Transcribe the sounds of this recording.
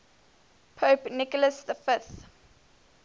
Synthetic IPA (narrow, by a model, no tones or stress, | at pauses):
pʰoːpnɪkɔləsðəfɪθ